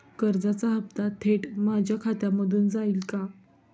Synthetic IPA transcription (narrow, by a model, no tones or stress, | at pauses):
kəɾd͡zat͡saɦəpt̪at̪ʰeʈmad͡ʑʱjakʰat̪jaməd̪ʱuːnd͡zaiːlka